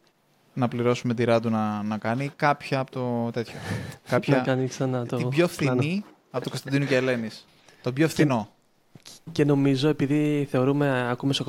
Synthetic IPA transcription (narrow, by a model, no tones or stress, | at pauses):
nɐpliɾo̞sume̞t̪iɾɐt̪̬unɐnɐkɐnikɐpçɐːpot̪ot̪e̞t̪çokɐpçɐkɐniksɐnɐtt̪obʝofθini | ɐpot̪ukost̪ɐnd̪inuceːle̞nis | t̪o̞bʝoefθino̞ | ce̞no̞mizo̞e̞piðiθe̞o̞ɾume̞ɐkumesok